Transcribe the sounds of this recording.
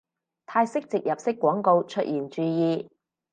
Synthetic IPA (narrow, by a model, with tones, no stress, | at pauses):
t̪ʰaː˧jsɪ˥k̚t͡sɪ˨k̚jɐ˨p̚sɪ˥kːwɔː˨˥ŋko˧wt͡ʃʰɵ˥t̚jiː˨˩nt͡ʃyː˨˧jiː˧